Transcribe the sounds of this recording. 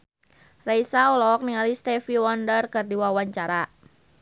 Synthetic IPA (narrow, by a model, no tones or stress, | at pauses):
raisaɔlɔk̚niŋalist̪ɛfiwɔndərkɨrdiwawaɲt͡ʃaɾa